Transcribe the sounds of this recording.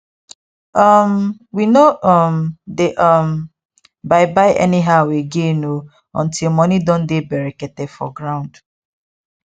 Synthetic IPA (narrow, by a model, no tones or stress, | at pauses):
ʌmwinoʔɔmdeʔʌm | baɪbaɪʔɛ̰niɦaʊeɡeno | ɔ̰̃ntʰilˠmɔnidɔ̃ndebɛɹikɛtɛdfɔ̰ɡɹãʊ̃nd̥